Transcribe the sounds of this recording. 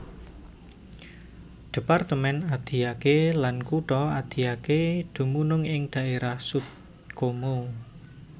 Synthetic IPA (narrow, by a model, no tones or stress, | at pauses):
d̪̥e̤part̪əmɛnad̪̥i̤akelankuʈɔad̪̥i̤aked̪̥ṳmunʊŋɪŋd̪̥a̤ʔeɾahsut̪̚ | komu